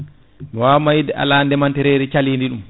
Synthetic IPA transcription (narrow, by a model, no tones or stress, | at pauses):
miwaːmajdɛʔa̰landɛmantɛɾɛːɾɛt͡ʃaliːndiɗum